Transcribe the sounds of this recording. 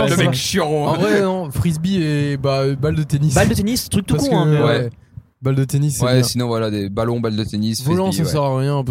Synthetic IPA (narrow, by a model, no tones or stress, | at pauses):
əmɛkʃjɔʁɔ̃ɑ̃vʁɛnɔ̃fχizbiebabald̪ət̪enisbald̪ət̪enist̪χyk̚t̪upkũkɛ̃mɛwɛ | bald̪ət̪enisːɛɛ̃sinɔ̃vwalad̪ebalɔ̃bald̪ət̪enisvɔlɑ̃sasɛʁaʁjɛ̃p